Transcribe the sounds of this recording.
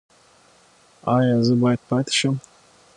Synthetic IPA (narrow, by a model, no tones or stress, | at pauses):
ajazɨbajt̪̚pʰat̪ʰʃɐm